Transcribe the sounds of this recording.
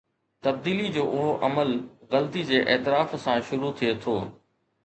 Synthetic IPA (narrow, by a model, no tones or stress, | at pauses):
t̪ɐb̚d̪iːlid͡ʑoːʔʊɦoʔɐməlɣɐlt̪id͡ʑeːʔɛːt̪ɪɾaːfsãʃʊɾut̪ʰiet̪ʰoː